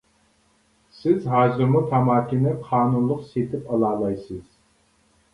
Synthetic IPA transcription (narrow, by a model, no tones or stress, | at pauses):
sɪzɦɑːzɨɾmut̪ʰɑmɑːkʲinɪqʰɑːnunlˠʊqset̪ʰɪpɑlˠɑːlˠɑjsɨz̥